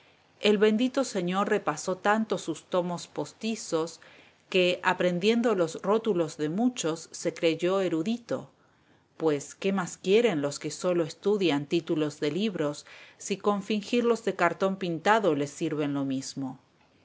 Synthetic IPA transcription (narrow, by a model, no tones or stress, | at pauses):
elβe̞nd̪it̪o̞se̞ɲo̞ɾre̞paso̞t̪ant̪o̞sust̪o̞mospo̞st̪iso̞s | ke̞ʔapɾe̞nd̪je̞nd̪olo̞sro̞t̪ulo̞zðe̞mut͡ʃo̞sːe̞kɾe̞ʝo̞e̞ɾuðit̪o̞̰ | pwe̞ske̞maskje̞ɾe̞nlo̞ske̞so̞lo̞est̪uðjant̪it̪ulo̞zðe̞liβɾo̞sːiko̞ɱfiŋxiɾlo̞zðe̞kaɾt̪o̞mpint̪aðo̞le̞siɾβe̞nlo̞mizmo̞